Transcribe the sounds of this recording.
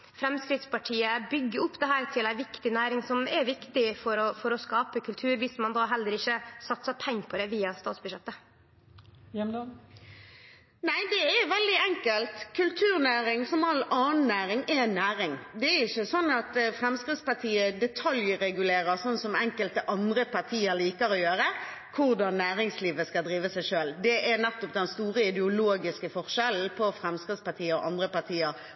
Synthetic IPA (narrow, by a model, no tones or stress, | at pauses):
fɾɛmskɾɪd̪spɑʈʰiːəbʏɡːəʊpːd̪ɛɦæːɾt̪ʰɪlæɪʋɪkt̪ɪnæːɾɪŋsɔmɛʋɪkt̪ɪfɔɾɔfɔɾɔskɑːpəkʰʉlt̪ʰʉːɾʋɪsmɑnd̪ɑːɦɛlːəɾɪçəsɑt̪sɑpʰɛŋːpʰɔd̪ɛʋiːɑst̪ɑːt̪sbʉʃɛt̪ːə | næɪd̪ɛɛɾʋɛld̪ɪɛŋkəlt̪kʰʉlt̪ʰʉːʁnæːɾɪŋsɔmɑlɑːn̩ːæːɾɪŋɛnːæːɾɪŋd̪ɛæɾɪçːəsɔnːɑt̪fʁɛmskʁɪd̪spɑʁt̪ʰiːəd̪ɛt̪ʰɑljɾɛɡʉleːʁəsɔnsɔmɛŋkəlt̪əʔɑnd̪ʁəpʰɑʁt̪ʰiːəɾliːkəɾɔjøːɾə | kʰʊʁd̪ɑnːæːʁɪŋsliːʋəskɑld̪ʁiːʋəsæɪʂøːld̪ɛʔɛɾnɛt̪ːɔpd̪ɛnst̪uːɾəɪd̪ɛʊloːɡɪskəfɔʁʃɛln̩pʰɔfɾɛmskɪt̪spɑt̪ʰiːəɔʔɑnd̪ʁəpɑʁt̪ʰiːəɾ